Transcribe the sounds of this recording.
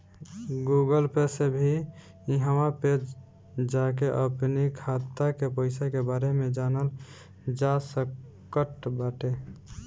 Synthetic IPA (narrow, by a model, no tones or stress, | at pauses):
ɡuɡəlpesebʱi | iɦəwaped͡ʒ | d͡ʒakeʔəpnikʰat̪ːakepəɪsakebaɾemed͡ʒanəl | d͡ʒasəkːəʈbaʈe